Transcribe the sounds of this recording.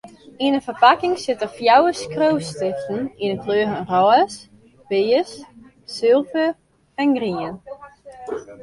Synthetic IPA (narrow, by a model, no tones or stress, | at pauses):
inəfərpakɪŋsɪtəfjawəskrowstɪxtn̩inəkʰløːfənrɔəs | peːəsː | ɪlˠfə | ɛnɡriən